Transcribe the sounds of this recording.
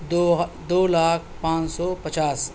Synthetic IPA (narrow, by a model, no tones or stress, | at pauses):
d̪oːlaːk̚ʰpãːt͡ʃsɔːpɐt͡ʃaːs